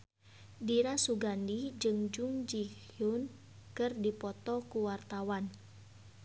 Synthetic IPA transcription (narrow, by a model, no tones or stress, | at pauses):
diɾasuɡandid͡ʒɨŋd͡ʒuŋd͡ʒikjun | kɨrdipɔt̪ɔkuwart̪awan